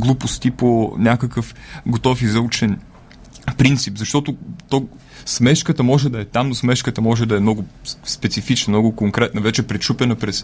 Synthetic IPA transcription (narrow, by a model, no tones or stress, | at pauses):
ɡlˠupʊst̪iponʲakəkəfɡot̪ɔfizɐut͡ʃɛn | pɾint̪sipzɐʃt̪ɔt̪ʊt̪ɔ | smɛʃkət̪əmɔʒɛd̪ɐɛt̪amnosmɛʃkət̪əmɔʒɛd̪ɐɛmnɔɡʊspɛt̪sifit͡ʃnəmnɔɡʊkoŋkɾɛt̪nəvɛt͡ʃɛpɾɛʃupɛnəpɾɛs